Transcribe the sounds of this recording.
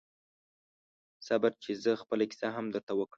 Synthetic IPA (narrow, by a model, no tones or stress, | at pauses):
sabaɾt͡ʃezəxpəlaki̥sɑɦamd̪əɾt̪awəkɽə